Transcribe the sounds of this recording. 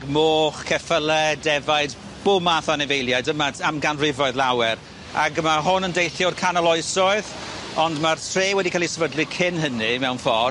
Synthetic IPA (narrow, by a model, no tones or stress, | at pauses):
ɡmoːχkʰɛfəlˠɛdɛvajd | b̥ʊmaθanɛvejlˠjajdəmaamɡanrɪvɔɨðlˠawɛɾ | a̰ɡmaɦʊnəndejθjɔrkʰanalˠɔɨsɔɨð | ɔndmartʰreːwɛdikʰaːlˠisɛvədlˠikʰɪnɦənimɛwnfɔ